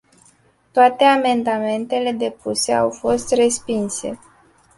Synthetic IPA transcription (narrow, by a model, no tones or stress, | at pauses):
t̪oat̪e̞ame̞nd̪ame̞nt̪e̞le̞d̪e̞puse̞a̰wfo̞st̪re̞spinse̞̰